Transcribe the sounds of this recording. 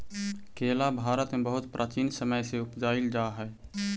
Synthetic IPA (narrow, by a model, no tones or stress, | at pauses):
kʰeːlabʱaːɾət̪mebəɦʊt̪pɾʔaːt͡ʃiːnsəməjseʊpd͡ʒaːild͡ʒaːɦɛː